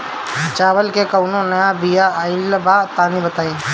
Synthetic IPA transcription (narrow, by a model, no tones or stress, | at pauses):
t͡ʃaːbəlkekəʊnonəjabijaːɪlːəbaːt̪aːnibət̪aːẽ